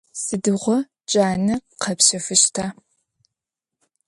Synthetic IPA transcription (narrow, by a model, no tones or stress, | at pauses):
sɨdɨʁʷɔ | t͡ʃʼaːnɨqɐpɕɐfɨɕtʰaː